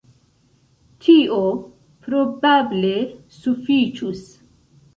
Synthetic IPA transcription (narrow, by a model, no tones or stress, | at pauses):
tʰio | pɾobable | sufit͡ʃus